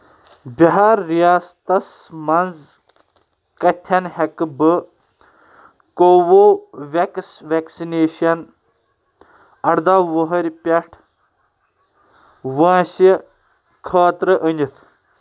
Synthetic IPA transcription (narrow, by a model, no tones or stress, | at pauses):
biɦaːɾːijaːst̪ɐs | mɐnz | kɐt̪ʲʰːɐnhɐkbɨ | koʋoʋʲeksʋeksineːʃɐn | ɐɽd̪aʋəɦɐɾʲpʲɐʈʰ | ʋãːsi | kʰaːt̪ɾɨʔənʲit̪ʰ